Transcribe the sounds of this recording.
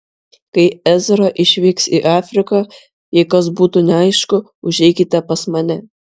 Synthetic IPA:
kɐɪæzʲɾɐʔɪʃʲʋʲiːksiʔɑːfʲɾʲɪkɐ | jɛɪkɐsbuːt̪uːnʲɛɐɪʃkʊ | ʊʒʲɛɪkʲɪt̪ʲɛpɐsmɐnʲɛ

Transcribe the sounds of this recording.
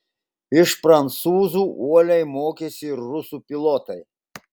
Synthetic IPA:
ɪʃpɾɐnt̪suːzuːuɔlʲɛɪmoːkʲɛsʲɪɪɾːʊsuːpʲɪlˠɔːt̪ɐɪ

